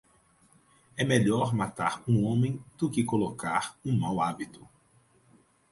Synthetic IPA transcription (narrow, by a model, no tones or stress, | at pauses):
ɛmeʎɔɾmat̪aɾũõmẽj̃d̪̥ʊkɪkolokaɾũmawabit̪ʊ